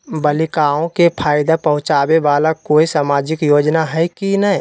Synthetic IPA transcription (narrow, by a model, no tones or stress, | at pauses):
bəlikaõkepʰaːɪd̪apəɦʊ̃t͡ʃabeʋalakoːisaːmad͡ʒɪkjoːd͡ʒnaɦɛjkinəi